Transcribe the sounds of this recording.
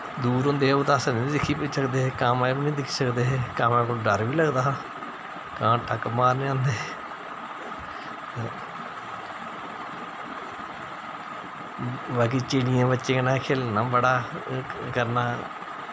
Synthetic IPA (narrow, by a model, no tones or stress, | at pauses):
d̪uːɾɦʊ̃ːnd̪eːɛːʊt̪aːsənĩːd̪ɪkʰiːpisəkd̪eːkəmabinĩːd̪ɪkʰi̥ːsəkd̪eːɦeːkəmẽːkolɖəɾʋiːləɡd̪aː | kãːʈʰəkəmaːɾnːãːnd̪eː | baːk̬iːt͡ʃeːɽijãːbətːʃẽːkənãːkʰeːlnaːbəɽaː | kəɾnaː